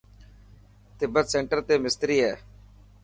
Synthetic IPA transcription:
t̪ɪbət̪seːɳʈəɾt̪eːmɪst̪ɾiːɦɛː

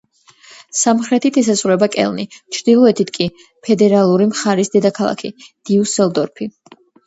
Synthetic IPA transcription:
samχɾɛt̪ʰit̪ʰɛs̬azʁɾɛbakʼɛ̰lˠnḭt͡ʃʰɾd̪ilˠɔɛt̪ʰit̪ʰkʼi | pʰɛd̪ɛɾalˠuɾimχaɾisd̪ɛd̪akʰalˠa̰kʰḭd̪̥iusɛlˠd̪ɔɾpʰi

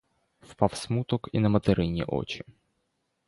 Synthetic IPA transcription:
fpafsmut̪ɔkḭnɐmɐt̪ɨɾʔɪnʲɪ̰ʔo̰t͡ɕɪ̥

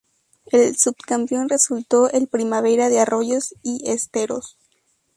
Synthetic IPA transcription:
e̞lsubkampjo̞nre̞sult̪o̞ʔelpɾimaβe̞ɾaðearo̞ʝo̞siest̪e̞ɾo̞̰s

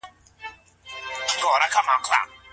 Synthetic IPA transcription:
kɔːɾakʰːamakʰla̰

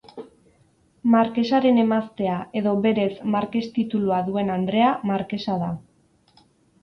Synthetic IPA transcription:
maɾke̞saɾe̞ne̞mast̪e̞aʔe̞ðo̞βe̞ɾe̞smaɾke̞st̪it̪uluaðue̞nand̪ɾe̞amaɾke̞saða

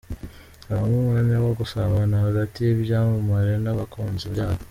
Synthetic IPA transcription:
aβamumeɲawaɡusaβanahaɡatijeβɟaːmumaɾenaβakoːnziaːβo

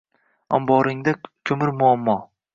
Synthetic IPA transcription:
ɒ̰mbɒɾɪŋd̪akʲʰɵmɪɾmʊamːɒ

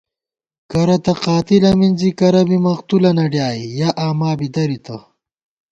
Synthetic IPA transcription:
kɐɾɐt̪ɐqaːt̪ilɐminzikɐɾɐbimɐqt̪ulɐnɐɖjaːijaʔaːmaːbid̪ɐɾit̪ʰɐ̰

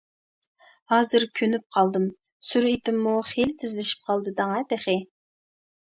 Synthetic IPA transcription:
hɑːzɨɾkʲʰønyp̚qʰɑlˠd̪ɨm | suɾit̪ɪmːuχelt̪ʰɪzlɪʃi̥p̚qʰɑlˠd̪ɨd̪ɑŋɛd̪eχɪ

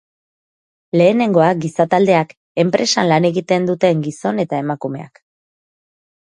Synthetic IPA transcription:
le̞ːne̞ŋɡo̞aɡisat̪ald̪e̞ak | e̞mpɾʔe̞sanlane̞ɣit̪e̞nd̪ut̪e̞ŋɡiso̞ne̞t̪ae̞makume̞̰a̰k

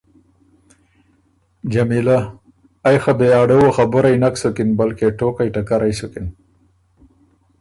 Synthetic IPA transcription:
d͡ʒamilaː | jxabeɑːɖewoxabʊɾajnaksukɪnbalkeʈoːkajʈakaɾajsʊkɪn

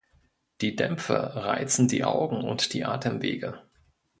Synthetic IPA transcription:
d̥iːdɛmfəʁaɪt͡sn̩dḭːʔaʊɡŋ̩ʊntd̥iːʔa̰ːtʰəmveːɡə

